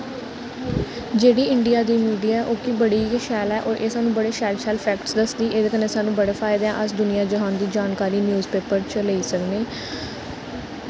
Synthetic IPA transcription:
d͡ʒeːɽiːɪɳɖijaːd̪iːmiːɖijaːɛːʔoːkiːbəɽiːʃɛːlɛːʔoːɾʔeːsaːnũːbəɽeːʃɛːlʃɛːlpʰɛːkʈsd̪əsd̪iːʔeːd̪eːkənːeːsaːnũːbəɽeːpʰaːɪd̪ãʔəsd̪ʊnijaːd͡ʒəɦãːnd̪iːd͡ʒaːnkaːɾiːnjuːzpeːpəɾt͡ʃəleiːsəkneː

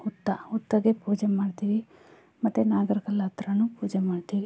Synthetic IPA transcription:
ut̪ːɐut̪ːɐɡepuːd͡ʒemaːɖt̪iːʋi | mɐt̪ːunaːɡɐɾikɐlaːt̪ɾɐnupuːd͡ʒemaːɖt̪iːʋi

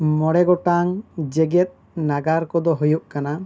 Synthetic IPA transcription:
mɔɽɛɡɔʈaŋd͡ʒɛɡɛt̪̚ | naɡaɾkɔd̪ɔɦujuʔkana

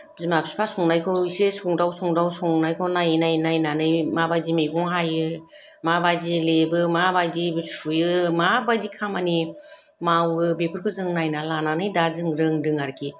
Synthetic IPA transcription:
zɯmapʰi̥spʰasɔŋnajkʰɯsesuŋdawsɔŋdawsɔŋnajkʰɯwnajɯnajnajnanɯjmabajzimeɡʰɔŋɦajɯ | mabajzilebɯmabajdibɯsujɯmabajdikʰamani | mawɯbepʰɯɾkʰɯzɯŋnajnalananɯjdazɯŋɾɯŋdɯŋaɾkʰi

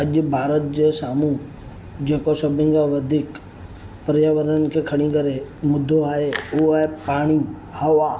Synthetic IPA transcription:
ɐʄʊ̆bʱaːɾət̪̚d͡ʑeːsaːmũ | d͡ʑeːkosɐbʱɪ̃ŋɡaʋɐd̪ʱiːk | pəɾjaʋəɾəənɪ̆kʰekʰɐɽ̃ĩkɐɾemʊd̪ʱːoaːɦeʊepaːɽ̃i | hɐʋaː

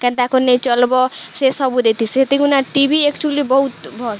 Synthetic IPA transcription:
kẽnt̪akonet͡ʃʌlbɔsesʌbud̪et̪iset̪iɡunaʈibiekt͡ʃulibʌɦut̪bʱɔl

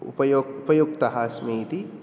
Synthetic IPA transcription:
ʊ̰pɐjoːɡʊpɐjuɡt̪ɐɦaːsmet̪i

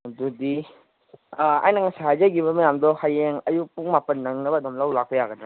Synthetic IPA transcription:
dudi | a̰jnɐŋasaɦajzajɡiβɐmɐjamdɔhajeŋɐjupuŋmapɐnːɐŋnɐbɐdɔmlawlak̚pɐjaɡɐna

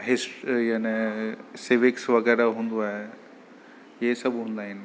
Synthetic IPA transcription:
ɦesʈjaneseʋeksʋɐɡɛːɾaɦũnd̪uaɦe | jesɐbɦũnd̪aɦin

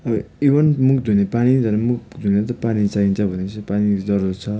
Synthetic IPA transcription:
ʌbʌ | ibʌnmukd̪ʱunepanid͡zʌɾemukd̪ʱunet̪ʌpanit͡saɦint͡sʰʌbʱʌnesʌpanid͡zʌɾurt͡sʰʌ

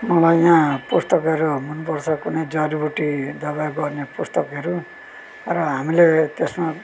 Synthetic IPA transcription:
mʌlajjãpust̪ʌkʌɾumunpʌrt͡sʰʌkunejd͡zʌɾibuʈid̪ʌβajɡʌrnepust̪ʌkʌɾu | rʌɦamilet̪esma

